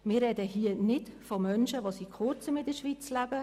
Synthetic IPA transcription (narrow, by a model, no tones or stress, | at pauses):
mɪːrːɛdəɦiənɪtfomœnʃəʋosiːkʰʊɾt͡səmɪdəʃʋit͡slæbə